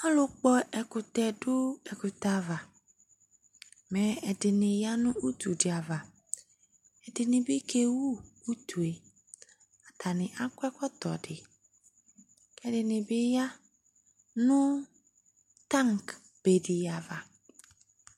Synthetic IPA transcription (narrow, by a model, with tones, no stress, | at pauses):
a˦lo˨k͡pɔ˦ʔɛ˨kʊ˨t̪ɛ˨ɖʊ˦ɛ˨ku˨t̪a˨va˨ | mɛ˨ɛ˨ɖɪ˨nɪ̃˨ja˦nũ˦u˦t̪u˨dɪ˨a˨va˨ | ɛ˨dɪ˨nɪ̃˨bɪ˦kʰe˦wu˦u˦t̪ʰu˨e˨ | a˨t̪ʰa˨nɪ̃˨ʔa˦kʷɛ˦kɔ˦t̪ɔ̰˨ɖɪ˨ | kɛ˦dɪ˨nɪ̃˨bɪ˦ja˦ | nũ˦ | t̪a˦ŋk | b̥e˨ɖi˨ja˨va˨